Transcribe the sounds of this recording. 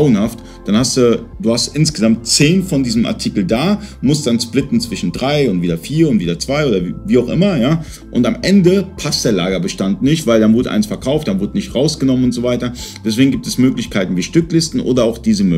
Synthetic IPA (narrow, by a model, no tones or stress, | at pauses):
ʊənhaft | d̥anhastd̥ud̥uːhastʔɪnsɡ̥əzamt̚t͡seːnfɔndiːzəmʔa̰ɐtʰikl̩daːmʊst̚d̥ansplɪtn̩t͡sv̥ɪʃn̩dʁaɪʊntviːdɐfiːɐʊntv̥iːdɐt͡sv̥aɪoːdɐviːaʊxʔɪ̰mɐjaː | ʔʊntamʔɛndəpʰast̚d̥eːɐlaːɡɐbəʃtantnɪçtv̥aɪldanvʊɐdəʔa̰ɪnsfɛɐkʰaʊftd̥anvʊɐdənɪçtʁaʊsɡ̥ənɔmənʊntz̥oːvaɪtɐd̥ɛs̬v̥eːɡŋ̩ɡiːp̚tɛsmøːklɪçkʰaɪtn̩viːʃtʏklɪstn̩ʔo̰ːdɐaʊxd̥iːzəmø